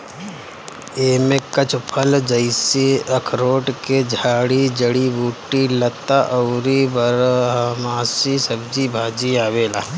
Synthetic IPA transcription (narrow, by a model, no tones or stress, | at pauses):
eːmẽkɐt͡ʃʰpʰəld͡ʒəɪsiɐkʰɾoːʈked͡ʒʱaːɽid͡ʒəɽibuːʈːilɐt̪aʔəʊɾibəɾɦɐmaːsisɐbd͡ʒibʱaːd͡ʒiaːʋeːla̰ː